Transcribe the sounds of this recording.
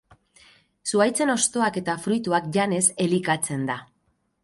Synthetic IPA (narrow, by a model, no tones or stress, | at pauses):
suajt͡se̞no̞st̪o̞ake̞t̪afɾujt̪uakʝane̞se̞likat͡se̞nd̪a